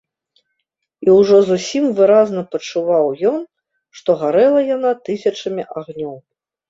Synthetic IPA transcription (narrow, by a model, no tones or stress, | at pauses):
iwʐɔzusʲimvɨɾaznɐpɐt͡ʂuvawjɔn | ʂt̪ɔɣaɾɛlˠɐjanat̪ɨsʲɐt͡ʂɐmʲiʔaɣnʲɔw